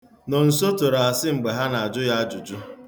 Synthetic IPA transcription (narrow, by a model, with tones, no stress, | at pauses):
no˨n̩˨so˦to˨ɾa˨a˨sɪ˦ŋ͡m̩˨ɡ͡be˨ɦa˦na˨a˨d͡ʒʊ˦ja˦a˦d͡ʒʊ˨d͡ʒʊ˦